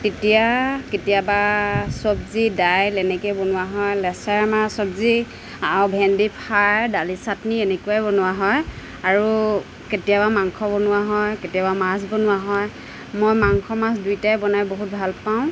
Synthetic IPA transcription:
tetijaketijabasɔbzidajlɛnɛkɛbonʊwaɦɔjlɛsɛɹmasɔbzi | abʱɛndipʰaɹdalisatnienekuabonʊwaɦɔj | aɹu | ketijabamaŋkʰɔbonʊwaɦɔjketijabamasbonʊwaɦɔj | mojmaŋkʰɔmasdujtajbɔnajboɦut̚bʱalpaʊ̃

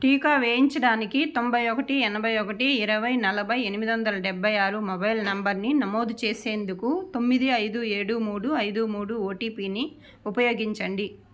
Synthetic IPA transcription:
ʈiːkaːʋeːjiɲt͡ʃɐɽaːnikit̪o̞mbʱɐjɔkɐʈiɛnɐbʱɐjɔkɐʈiːɾɐʋɐjnɐlɐbʱɐjenimid̪iʋɐnd̪ɐlɐɖɛbʱːɐjaːɾumobɐjlnɐmbɐɾninɐmoːd̪t͡ʃeːse̞ːnd̪ukut̪o̞mːid̪iɐjd̪ueːɽumuːɽuɐjd̪umuːɽuoːʈiːpiːni | upɐjo̞ːɡiɲt͡ʃɐɳɖi

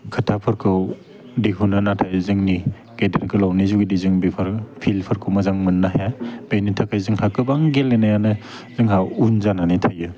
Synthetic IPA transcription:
kʰɯtʰapʰɯɾkʰɯw | diɦunanatʰajzɯŋni | ɡ̥edeɾkʰɯlawnizuɡidizɯŋbipʰɐɾpʰilpʰɐɾkʰɯwmɐzaŋmɯnːaɦjab̥enitʰakʰajzɯŋhakɯbaŋɡelenajanɯ | zɯŋɦawunzananitʰajɯ

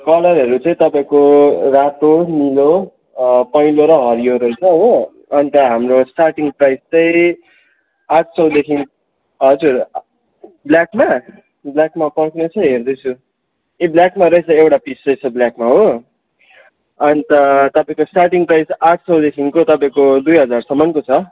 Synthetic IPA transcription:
kʌlʌɾɦʌɾut͡sʌ̃ĩt̪ʌpãĩkorat̪onilo | pʌjloɾʌɦʌɾijoɾʌjt͡sʰʌɦo | ʌnit̪ʌɦamrosʈarʈiŋɡprajst͡sʌĩ | aʈ̚ʰsʌwd̪ekʰin | ɦʌd͡zuɾ | bljakma | bljakmapʌɾknot͡sʰʌɦerd̪ʌjt͡sʰu | ebljakmaɾʌit͡sʰʌewʈapisrʌjt͡sʰʌbljakmaɦo | ʌnit̪ʌt̪ʌpãĩkosʈarʈiŋprajsaʈ̚ʰsʌwd̪ekʰinkot̪ʌpaĩkod̪ujɦʌd͡zarsʌmʌnkot͡sʰʌ

